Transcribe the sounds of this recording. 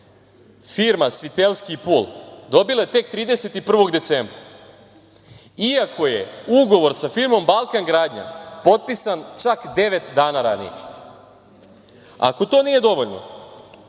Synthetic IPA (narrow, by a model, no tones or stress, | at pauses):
fiɾmasʋit̪elˠskipuːld̪o̞bilˠaet̪e̞k̚t̪ɾiːd̪eset̪ipr̩ʋo̞ɡd̪e̞t̪sembɾa̰ | iako̞je̞̰uɡo̞ʋo̞ɾsafiɾmo̞mbalˠkaŋɡɾaːd̪ɲa̰po̞t̪̚pisant͡ʂakd̪e̞ʋe̞t̪d̪aːnaɾanḭjḛ | a̰ko̞t̪o̞nije̞d̪o̞ʋo̞ʎno̰